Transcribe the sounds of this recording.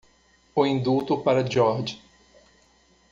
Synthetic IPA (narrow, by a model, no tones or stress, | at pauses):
ʊĩnd̪ut̪ʊpaɾɐd͡ʒɔɾd͡ʒ